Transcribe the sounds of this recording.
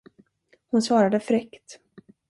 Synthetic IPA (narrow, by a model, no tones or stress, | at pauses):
hʊnsvɑːɾad̪əfɾɛkt̪